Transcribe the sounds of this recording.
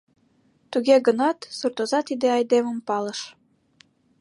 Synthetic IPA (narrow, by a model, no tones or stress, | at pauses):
t̪uɣeɡənɑt̪surt̪ozɑt̪id̪eɑjd̪eməmpɑləʃ